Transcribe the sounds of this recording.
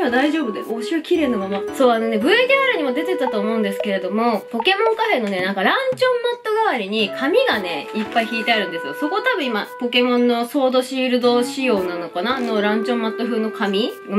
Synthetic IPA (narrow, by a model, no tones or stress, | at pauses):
iβad̪aiʑo̞ːbɯ̟d̪eoɕɨakʲiɾe̞ːnomamaso̞ːano̞ne̞bɯ̟ed̪eaɾɯ̟ɲ̟imo̞d̪e̞t̪e̞t̪at̪oːmo̞ɯ̃nd̪e̞sɨ̥ke̞ɾe̞d̪o̞mo̞po̞ke̞mõ̞ŋkaɸe̞no̞ne̞nãŋkaɾãɲt͡ɕõ̞mːat̪ːo̞ɡaβaɾʲiɲ̟ikʰamʲiɡane̞ipːaiçiːt̪e̞aɾɯ̟̃nd̪e̞sɨjo̞so̞ko̞t̪abɯ̟̃imapo̞ke̞mõ̞nːo̞so̞ːd̪o̞ɕiɾɯ̟d̪o̞ːɕijo̞ːnanokanano̞ɾãɲ̟t͡ɕõ̞mːat̪ːo̞ɸɯ̟ːno̞kʰamʲiɡ